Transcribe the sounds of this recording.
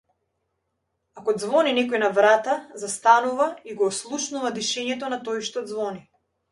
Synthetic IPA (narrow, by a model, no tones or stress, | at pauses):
akɔd̪zvɔninɛkɔjnavɾat̪azast̪anuvaiɡɔːslˠuʃnuvad̪iʃɛɲɛt̪ɔnat̪ɔjʃt̪ɔd̪zvɔni